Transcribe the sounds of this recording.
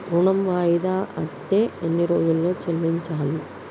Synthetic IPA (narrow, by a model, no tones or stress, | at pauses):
ɾuɳɐmʋaːjid̪aːʔɐt̪ːeːenːiɾo̞ːd͡ʒulːo̞ːt͡ʃelːiɲt͡ʃaːli